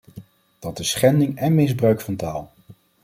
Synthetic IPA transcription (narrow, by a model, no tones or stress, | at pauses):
d̥ɑtɪsχɛndɪŋɛnmɪzbrœɥkfɑntaːlˠ